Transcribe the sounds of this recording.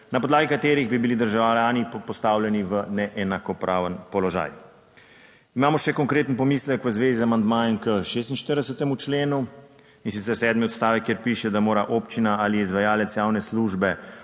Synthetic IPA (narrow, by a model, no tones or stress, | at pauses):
napɔd̪laːɡikat̪eːɾiɣbibilid̪əɾʒawlawlaːnipɔst̪aːwljɛniʋənɛʔɛnakɔpɾaːʋənpɔlɔʒa̰ːj | imaːmɔʃɛkɔŋkɾeːt̪ənpɔmiːsləkʋəzʋeːzizamand̪majɛnkəʃeːs̬t̪inʃt̪əɾd̪ɛsət̪ɛmut͡ʃleːnu | insit̪sɛɾsɛːd̪miɔt̪st̪aːʋɛkːeɾpiʃɛd̪amoːɾaʔopt͡ʃinaaliɛizʋajaːlət̪sjaːwnɛsluʒbɛ